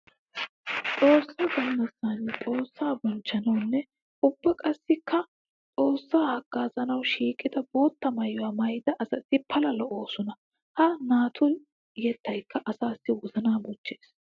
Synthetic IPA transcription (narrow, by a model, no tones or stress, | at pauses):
t͡sʼo̞ːsːaɡɐmːɐsːɐnt͡sʼo̞ːsːaːbɔnt͡ʃːɐnɐwnːɛ | ʊbːɐkʼɐsːɪkʰːɐ | t͡sʼo̞ːsːaːhɐɡ̥ːaːzɐnɐwʃiːkʼɪd̪ɐbo̞ːt̪ːɐmɐjʊaːmɐjd̪ɐʔɐzɐsɪpʰɐlɐlɔʔoːsʊnɐ | hɐnaːt̪ʰʊn | jɛt̪ːɐjkʰːɐʔɐsaːsːɪwɔzɐnaːbʊt͡ʃːeːs